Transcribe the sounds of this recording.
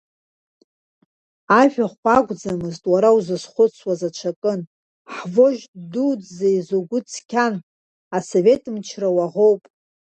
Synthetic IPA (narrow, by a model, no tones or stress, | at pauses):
aʒᶣaχʷaɡʷʼd͡zamɨztʼwaɾawuzɨsχʷʊt͡sʰwazat͡ʃʷʰakʼɨn | ħvoʒdudzaizoɡʷʊt͡sʰkʲʰan | aso̞ve̞tʼɨmt͡ʃʰrawaʁo̞wpʼ